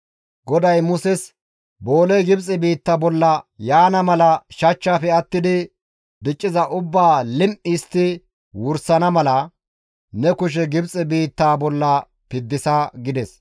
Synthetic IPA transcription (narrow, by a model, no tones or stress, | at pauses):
ɡɔd̪ɐjmʊsɛs | boːlɛjɡɪbt͡sʼɪbiːt̪ːɐbɔlːɐjaːnɐmɐlɐʃɐt͡ʃːaːfɛɐt̪ːɪd̪ɪ | d̪ɪt͡ʃʼːɪzɐʔʊbːaːlɪmʔist̪ɪ | wʊɾsɐnɐmɐlɐ | nɛkʊʃ̬ɛɡɪbt͡sʼɪbiːt̪ːaːbɔlːɐ | pɪd̪ːɪsɐɡɪd̪ɛs